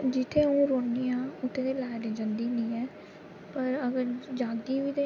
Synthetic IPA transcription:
d͡ʒɪt̪ʰeːũːɾoːnijãːʊt̪ʰːẽːt̪eːlɛːɖeːd͡ʒənd̪iːnĩːɛː | pəɾəɡəɾd͡ʒaːd̪iːʋiːt̪e

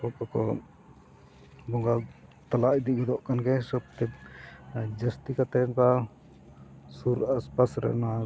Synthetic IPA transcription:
ɔkɔkɔ̰ | bɔŋɡalt̪alaʔid̪iʔɡɔd̪ɔʔkanɡɛsəb̚t̪ɛ | d͡ʒəst̪ikat̪ɛnka | suɾaspasɾɛ̰ʔna

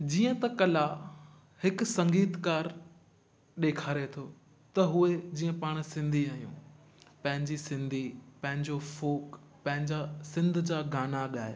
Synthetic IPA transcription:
d͡ʑiːə̃t̪ɐkɐla | hɪksɐ̃ŋɡiːt̪kaːɾ | ɗeːkʰaːɾet̪ʰoː | t̪ɐɦʊed͡ʑiːə̃paːɽ̃sɪ̃nd̪ʱiaːɦijṵ̃ː | pɐ̃ɦɪ̃ɲd͡ʑisɪ̃nd̪ʱipɐ̃ɦɪ̃ɲd͡ʑofoːk | pɐ̃ɦɪ̃ɲd͡ʑasɪ̃nd̪ʱd͡ʑaːɡaːnaɠaːe

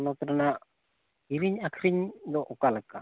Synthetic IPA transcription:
nɔt̪ɾanaʔ | iɾiɲakʰɾiɲd̪ɔʔɔkalaka

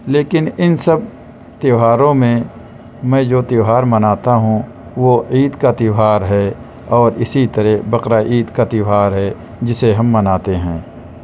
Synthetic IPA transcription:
leːkɪnɪnsəb̚ | t̪ɪɦaːɾõmẽ | mɛ̃d͡ʒoːt̪ɪɦaːɾmɐnaːt̪aɦũ | ʋoiːd̪kat̪ɪɦaːɾɦɛ | ɔːɾɪsit̪əɾɛbɐqɾaʔiːd̪kat̪ɪɦaːɾɦɛ | d͡ʒɪseɦɐ̃mːɐnaːt̪eɦɛ̃ː

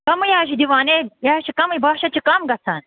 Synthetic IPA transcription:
kɐmujaːʃ̬id̪iʋaːnejaːʃikɐmibaːʃɐt͡ʃʰikɐmɡɐt͡sʰa̰ːn

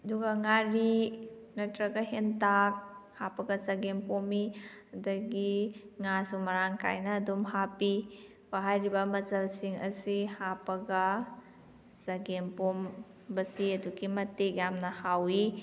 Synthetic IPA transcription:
ɐduɡɐŋaɾi | nɐtɾɐɡɐɦentak̚hapɐɡɐsɐɡempomi | ɐdɐɡiŋasumɐɾaŋka̰jnɐːdumɦapi | paɦajɾibɐmɐt͡ʃɐlsiŋɐ̰sihapɐɡɐ | sɐɡempom | bɐsiɐduɡimɐtekjamnɐhawi

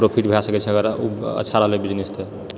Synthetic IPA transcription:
ɾopʰiʈbʱeasəkɛt͡ʃʰɛɡəɾaṵə̰tːʰaɾəɦlebid͡ʒnist̪ʰe

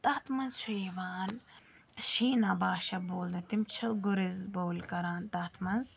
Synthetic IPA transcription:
t̪ɐːt̪mɐnzt͡ʃʰuiʋaːn | ʃiːnabaːʃɐboːld̪ɐt̪imt͡ʃʰɐɡʊɾizboːlkɐɾaːnt̪ɐt̪ʰmɐnz

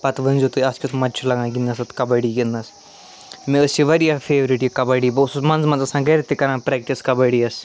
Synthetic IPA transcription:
pɐt̪ʋənzot̪uɐskʲusmɐt͡ʃʰulɐɡãːɡind̪ɐsɐt̪kɐbɐɽiɡinɐs | mẽəsiʋɐɾijafʰeːʋɾiʈjikɐbɐɽiːbɐsusmɐnzmɐnzɐsãːɡɐɾet̪ikɐɾãːpɾɛːk̚ʈiskɐbɐɽiɐs

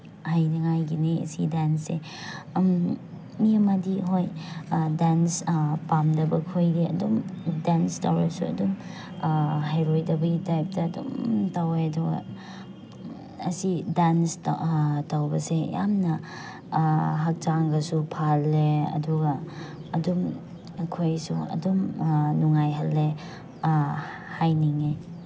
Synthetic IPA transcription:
hajnɐŋajɡineɐ̰sidanse | m | miɐmɐdiɦojdanspamdɐbɐkʰojɾiɐ̰dumdanstawɾɐsuɐ̰dum | ɦajɾojdɐbɐɡitajp̚tɐːdṵmtaweɐduɡɐ̰ | ɐsidansttawbɐseja̰mnɐ | ɦɐk̚t͡ʃaŋɡɐsupʰalːeɐ̰duɡɐːdum | ɐkʰojsuɐ̰dumnuŋajɦɐlːe | hajniŋe

